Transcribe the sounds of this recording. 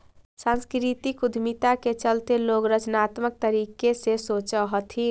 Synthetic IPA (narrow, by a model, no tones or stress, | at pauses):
sãnskɾit̪ikud̪ʱmit̪aket͡ʃəlt̪eloɡɾət͡ʃnat̪mək̚t̪əɾikesesot͡ʃəɦət̪ʰi